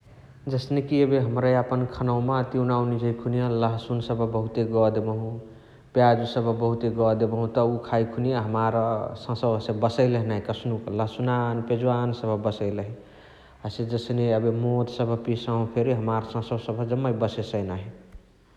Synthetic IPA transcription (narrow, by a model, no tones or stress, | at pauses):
d͡ʒəsnekiəbeɦəmɾajapənkʰənawmat̪iunawnid͡ʒʱəjkʰunijaləɦsunsəbəbəɦut̪eɡɔd̪ebəɦũ | pjad͡ʒusəbʱbəɦut̪eɡɔd̪ebəɦũt̪ɔukʰajkʰunijaɦəmaɾsə̃səbʱsẽbəsəɪləɦnaɦikəsnukləɦsunanped͡ʒwansəbʱbəsəɪləɦi | ased͡ʒəsneəbemod̪səbʱpisãɦũpʰeɾiɦəmaɾsə̃səbsəbʱəd͡ʒəmːəibəsesənaɦi